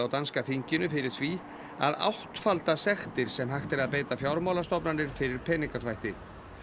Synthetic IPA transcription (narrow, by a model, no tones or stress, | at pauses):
awt̪anskafiɲcɪnʏfɪɾɪɾ̥θvi | a̰ða̰wht̪falt̪asɛxt̪ɪɾ̥sɛmɦajxt̪ɛɾaðpeːjt̪afjawɾmawlast̪ɔwpnanɪɾ̥fɪɾɪɾpʰɛːniŋkat̪ʰvajht̪ɪ